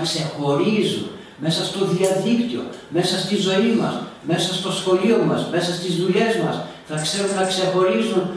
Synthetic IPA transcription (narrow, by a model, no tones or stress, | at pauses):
kse̞xo̞ɾizṵn | me̞sɐst̪o̞ðiɐðikt̪io̞̰me̞sɐst̪izo̞imɐsme̞sɐst̪o̞sfo̞lio̞mɐzme̞sɐst̪izðule̞zmɐs | θɐkse̞ɾunnɐkse̞xo̞ɾizun